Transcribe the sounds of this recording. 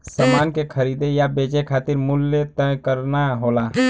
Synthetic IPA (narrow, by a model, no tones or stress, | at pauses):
səmankekʰəɾid̪ejabed͡ʒekʰat̪iɾmulːət̪əjkəɾnaɦola